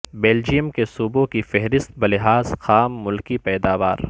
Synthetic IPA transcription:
bɛːld͡ʒijəmkesuːbõkifɛɦɾɪst̪̚bɐlɪɦaːzxaːmːʊlkipɛːd̪aːʋaːɾ

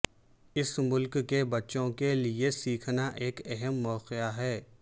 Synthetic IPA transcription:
ɪsmʊlkːebɐtːʃõkeliesiːkʰnaʔeːkɛɦɛmːɔːqɪjaɦɛː

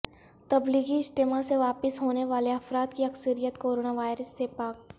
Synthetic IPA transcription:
t̪ɐbliːɡiɪst̪emaseʋaːpɪsɦoːneʋaːleɐfɾaːt̪kiɐksəɾijət̪koːɾoːnaʋaːɪɾəsːepaːk̚

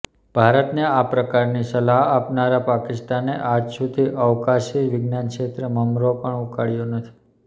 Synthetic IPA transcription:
b̥ʱaɾət̪neapɾəkaɾnisəlaɦapnaɾapakɪst̪aneʔad͡ʒsud̪ʱiʔəʋkaʃiʋɪɡnankʃet̪ɾəməmɾopəɳukaɽjonət̪ʰi̥

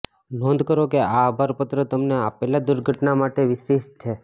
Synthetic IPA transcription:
nɔ̃nd̪ʱkəɾokeaːbʱaɾpət̪ɾət̪əmneapelad̪ʊɾɡʱəʈnamaʈeʋɪʃeʃt͡ʃʰe

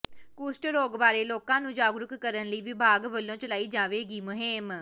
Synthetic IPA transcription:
kuːsʈɾoːɡbaːɾeːloːkãːnũːd͡ʒaːɡɾʊkːəɾənləiːʋɪbʱaːɡʋəlːõːt͡ʃəlaːiːd͡ʒaːʋeːɡiːmʊɦɪm

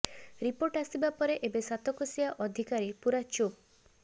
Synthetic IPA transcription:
ɾipoɾʈasibapɔɾeʔebesat̪ɔkɔsiaʔɔd̪ʱikaɾipuɾat͡ʃup̚

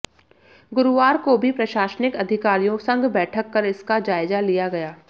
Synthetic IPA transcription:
ɡʊɾʊʋaːɾkobʱipɾɐʃaːʃnɪkɐd̪ʱɪkaːɾijõsɐ̃ŋɡbɛːʈʰəkːɐɾɪskad͡ʒaːɪzalijaɡɐjaː

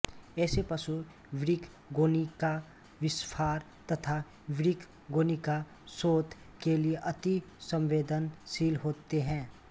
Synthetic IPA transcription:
ɛːsepɐsu | ʋɪɾɪkʰ | ɡoːnika | ʋɪspʰaːɾ | t̪ɐt̪ʰa | ʋɪɾɪkʰ | ɡoːnika | soːt̪ | kelieʔɐt̪isə̃mʋeːd̪ənsiːlɦoːt̪eɦɛ̃ː

